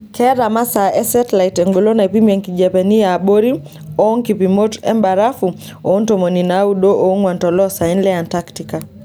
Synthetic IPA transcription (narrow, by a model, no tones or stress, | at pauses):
kʰɛɾamasaʔɛsɛtlaitɛŋɡolɔnaipimiɛŋkiʄɛpɛnijaɓoɾi | ɔŋkipimotɛ̰mbaɾafu | ɔntɔmɔninauɗɔʔɔuŋwantɔlɔsainlɛantaktika